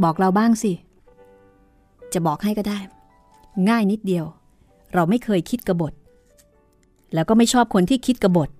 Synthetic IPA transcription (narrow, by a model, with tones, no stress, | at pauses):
bɔː˨˩k̚ɾa˧wbaː˥˩ŋsi˧˩ | t͡ɕa˨˩bɔː˨˩k̚ha˥˩jkɔː˥˩daː˥˩j | ŋaː˥˩jni˦˥t̪̚di˧əw | ɾa˧wma˥˩jkʰɤː˧jkʰi˦˥t̪̚ka˧bo˨˩t̪̚ | lɛː˦˥wkɔː˥˩ma˥˩jt͡ɕʰɔː˥˩p̚kʰo˧nt̪ʰiː˥˩kʰi˦˥t̪̚ka˧bo˨˩t̪̚